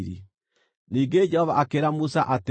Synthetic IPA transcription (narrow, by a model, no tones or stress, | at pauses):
ɾḭ | niːŋɡed͡ʒɛhɔβa̰akeɾamusaʔate